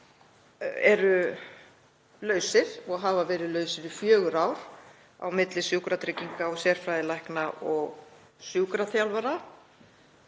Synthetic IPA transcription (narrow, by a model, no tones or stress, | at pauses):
ɛɾʏ | lœːɥsɪɾ̥ɔɣɦaːvavɛːɾɪðlœːɥsɪɾʏfjœːɣʏɾaːwɾ̥ | a̰wmɪt̪lɪsjuwkɾat̪ʰɾɪciŋkaɔsjɛɾ̥fɾajðɪlajhknaʔɔɣ | sjuːkɾaθjawlvaɾa